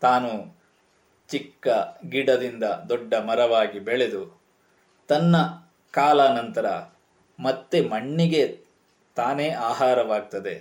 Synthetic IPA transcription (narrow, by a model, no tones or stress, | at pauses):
t̪aːnu | t͡ʃikːɐɡiɽɐd̪ind̪ɐd̪ɔɖːɐmɐɾɐʋaːɡibeɭed̪u | t̪ɐnːɐ | kaːlaːnɐnt̪ɐɾɐ̰ | mɐt̪ːemɐɳːiɡe̞ | t̪aːneːʔaːɦaːɾɐʋaːɡ̚t̪ɐd̪e̞